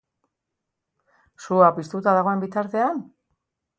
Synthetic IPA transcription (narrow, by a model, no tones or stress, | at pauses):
suapist̪ut̪aðaɣ̞o̞e̞mbit̪aɾt̪e̞an